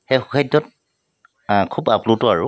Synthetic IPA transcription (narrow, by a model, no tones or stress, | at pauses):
xejxu̥kʰajdːɔt | kʰubaplutɔaɹʊ